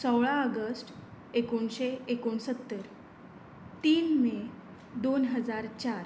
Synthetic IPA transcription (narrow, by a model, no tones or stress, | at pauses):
səwɭãəɡəsʈ | ekoɳɕeekoɳsət̪ːəɾ | t̪iːnme | d̪onɦəd͡zaɾt͡ɕaɾ